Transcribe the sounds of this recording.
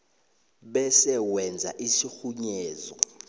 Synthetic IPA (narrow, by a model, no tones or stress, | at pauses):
ɓɛsɛwɛnd͡zʱa̰ʔisixuɲɛːzɔ